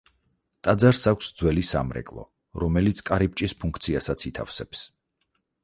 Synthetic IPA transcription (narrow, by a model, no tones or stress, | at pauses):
t̪ʼad̪zaɾsakʷʰsd̪zwɛlisa̰mɾɛ̰kʼlˠɔ̰ | ɾɔmɛlit̪sʰkʼaɾip̚t͡ʃʼispʰuŋkʰt̪sʰiasat̪sʰit̪ʰa̰fsɛps